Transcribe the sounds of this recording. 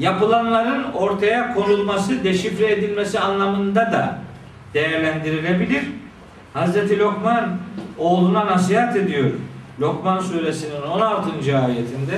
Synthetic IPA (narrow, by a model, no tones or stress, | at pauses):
japɯlˠanlˠaɾɯno̞ɾt̪ʰajakʰo̞nulˠmasɯd̪eʃifɾɛed̪ilʲmesianlˠamɯnd̪ad̪a | d̪̥e̞jæɾlʲænd̪iɾilʲe̞bilʲiɾ̥ | hazɾet̪ʰilʲokmano̞ːlˠunanas̬iɦat̪e̞d̪ijo̞ɾlʲokmansuːɾe̞sinino̞nalˠt̪ʰɯnd͡ʒɯaːjet̪ʰind̪ɛ